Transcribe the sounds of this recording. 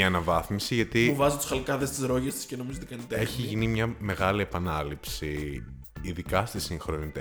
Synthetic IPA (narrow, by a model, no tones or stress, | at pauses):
ɐnɐvɐθmisiʝɐt̪iuvɐzut̪u̥sxɐlkɐðe̞st̪izɾoʝɐst̪i̥scenomizot̪ikɐnit̪eeçiʝinimɲɐme̞ɣɐliepɐnɐlipsiː | ðikɐst̪isiŋxɾonit̪e